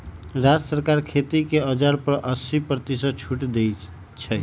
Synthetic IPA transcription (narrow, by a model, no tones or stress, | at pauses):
ɾad͡ʒəsəɾkaɾkʰet̪ikeəd͡ʒaɾpəɾʔəsipɾət̪isə̃t͡ʃʰuʈd̪ej | t͡ʃʰɛ